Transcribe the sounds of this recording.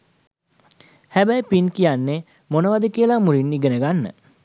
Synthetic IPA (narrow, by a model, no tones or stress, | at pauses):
hæbæjpinkijanːe | monəʋad̪əkiəlamuɾinːiɡənəɡanːə̰